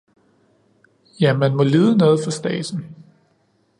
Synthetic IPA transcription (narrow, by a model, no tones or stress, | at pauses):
jæmænmɒ̽liːðˠənɔ̽ːð̞̩ˠfɑ̈sd̥ɛ̰ːsn̩